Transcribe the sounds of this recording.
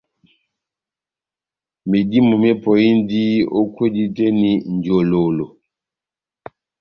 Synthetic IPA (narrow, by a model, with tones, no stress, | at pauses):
mi˨di˦mu˨me˦pɔ˨i˦ndi˦o˦kwe˦di˦te˦ni˨n˨d͡ʒo˨lo˨lo˨